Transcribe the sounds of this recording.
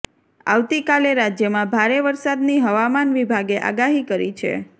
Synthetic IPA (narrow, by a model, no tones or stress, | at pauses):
a̰ʋt̪ikaleɾad͡ʒjəmãbʱaɾeʋəɾsad̪niɦəʋamanʋibʱaɡeʔa̰ɡaɦikəɾḭt͡ʃʰḛ